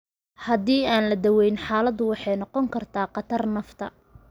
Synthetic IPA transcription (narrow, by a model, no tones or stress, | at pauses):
hɐd̪iːaːnlɐd̪ɐwɛjnħɑːlɐd̪ʊwɑħɑjnɔqɔŋkʰɐrt̪ʰaːqɑt̪ʰɐrnɐft̪ʰɐ̰